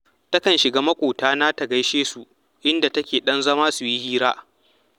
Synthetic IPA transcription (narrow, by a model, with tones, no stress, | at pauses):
tɐ˦kɐ˨nʃɪ˨ɡaː˦mɐ˦kʷʼoː˨taː˦naː˦ta˨ɡɐ˦jʃeː˦su˨ʔ | ʔɪ˦nda˨tɐ˦kʲeː˨ɗɐ˦nzɐ˦maː˦su˨ji˦hiː˦ɾaː˦